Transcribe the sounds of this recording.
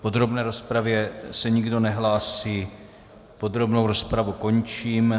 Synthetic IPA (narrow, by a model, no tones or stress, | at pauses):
po̞d̪ɾo̞bnɛːɾo̞spɾavjɛsɛɲɪɡdo̞nɛɦlaːsiː | po̞d̪ɾo̞bnowɾo̞spɾavuko̞ɲt͡ʃiːm